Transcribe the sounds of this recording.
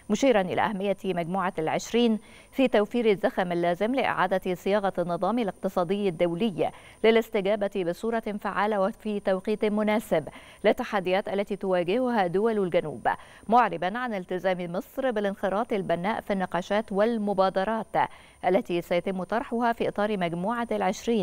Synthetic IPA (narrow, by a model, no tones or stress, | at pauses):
mʊʃiːɾɑnʔɪ̰la̰ʔahamːɪjːamaɡmuːʕalʕɪʃɾiːn | fiːt̪awfiːɾɪzːaxamɪlːaːzɪmlɪʔɪ̰ʕaːd̪asɪjɑːɣɑnːɨðˤɑːmilɪq̚t̪ɨsˤɑːd̪ɪjːad̪ːawlɪjːa̰ | lɪlɪst̪ɪɡaːbabɪsˤuːɾˤɑfaʕaːlawfiːt̪awqiːt̪mʊnaːsɪb | lɪt̪ːaħad̪ːɪjaːt̪ʔalːat̪iːt̪ʊwaːɡɪhʊhad̪ʊwallɡanṵːb | mʊʕɾɪbanʕanɪlt̪ɪzaːmimɨsˤɾbɪlɪnxɪɾˤɑːt̪ˤɪlbanːaːʔfinːɪqɑːʃaːt̪wɪlmʊbɑːd̪ɑɾˤɑːt̪ | ʔalːat̪iːsajat̪ɪmːʊt̪ˤɑɾˤħʊhafiːʔɨt̪ˤɑːɾmaɡmuːʕalʕɪʃɾiːn